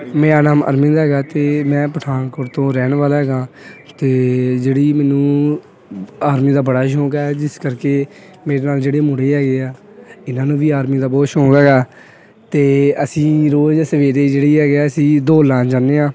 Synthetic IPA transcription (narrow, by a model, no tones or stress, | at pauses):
mɛ̃ːaːnaːmə̰ɾmɪ̃nd̪ɦɛːɡaːt̪eːmɛ̃ːpəʈʰaːnkoɾt̪õːɾɛːɳʋaːlːɦɛːɡãːt̪eːd͡ʒeːɽiːmɛ̃ːnũː | aːɾmiːd̪aːbəɽaːʃõːkɛːd͡ʒɪskəɾkeː | meːɾeːnaːld͡ʒeːɽeːmʊɽeːɦɛːɡeːaː | ɪnãːnũːʋiːaːɾmiːd̪aːboːʃõːkɦɛːɡaː | t̪eːəsĩːɾoːd͡ʒsəʋeːɾeːd͡ʒeːɽiːɦɛːɡeɛːəsĩːd̪oːlãːnd͡ʒãːneːãː